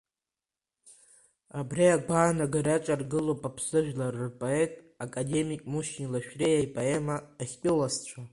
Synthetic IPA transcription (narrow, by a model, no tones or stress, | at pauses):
abriaɡʷaːnaɡarat͡ʃʷʼarɡɨlopʼapʰsɨʒᶣlarɨrpʼoetʼ | akʼade̞mikʼmuʃinlaʃᶣrejajpʼoemaːχʲpʲʼɪlast͡ɕʷʰa